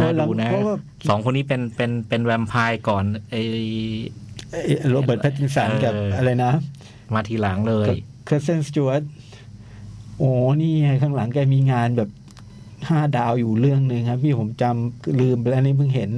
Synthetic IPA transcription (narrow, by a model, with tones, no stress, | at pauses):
ɔ˧˩lda˨˦u˧na˦˥pʰɔ˦˥waː˥˩ | sɔː˩˦ŋkʰo˧nːiː˦˥pe˧npe˧npe˧nwɛ˧mpʰaː˧jkɔː˨˩nʔa˧˩j | ʔa˧jʔɾoː˧bɤː˨˩t̪pʰa˦˥t̪ːi˧˩sa˩˦nkɛː˨˩p̚ʔa˧ɾa˧jna˦˥ | maː˧t̪ʰiː˧˩la˩˦ŋlɤː˧j | kʰɾi˦˥se˥˩nst͡ɕuː˧˦˥t̪̚ | ʔoː˨˩niː˥˩ŋa˧˩kʰaː˥˩ŋla˩˦ŋkɛː˧˩miː˧ŋaː˧nbɛː˨˩p̚ | haː˥˩daː˧wjuː˨˩ɾɯ˥˩əŋnɯ˧ŋkʰa˦˥p̚t̪ʰiː˥˩pʰo˩˦mt͡ɕa˧mlɯː˧mpa˧lɛ˦˥niː˦˥pʰɯ˥˩ŋɦe˩˦n